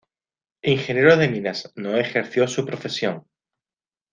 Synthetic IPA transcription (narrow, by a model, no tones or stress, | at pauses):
iŋxenjeɾoðe̞mĩnaznoe̞xeɾθjo̞supɾofe̞sjoŋ